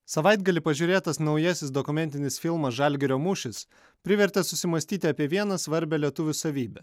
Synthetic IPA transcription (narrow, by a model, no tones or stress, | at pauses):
sɐʋɐɪd̪ɡɐlʲɪpɐʒʲuːɾʲeːt̪ɐsnɒʊjɛsʲɪsd̪ɔkʊmʲɛnʲt̪ʲɪnʲɪsfʲɪlˠmɐsʒɐlʲɡʲɪɾʲoːmʊʃʲɪs | pʲɾʲɪʋʲɛɾʲt̪ʲɛsʊsʲɪmɐsʲt̪ʲiːt̪ʲɑːpʲiɛʋʲiɛnɐsʋɐɾʲbʲɛlʲiɛt̪ʊʋʲʊsɐʋʲiːbʲɛ